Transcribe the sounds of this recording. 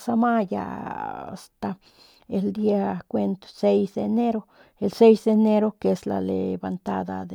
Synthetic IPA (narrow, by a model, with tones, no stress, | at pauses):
sa˧ma˦ja̰˨a̰st̪a˨ | e˨ld̪iakʷe˧nt̪o̥se˦jsd̪ene˦ɾo | else˦jsd̪ene˦ɾo˦ke˧sla̰lḛbant̪a˦d̪a̰d̪e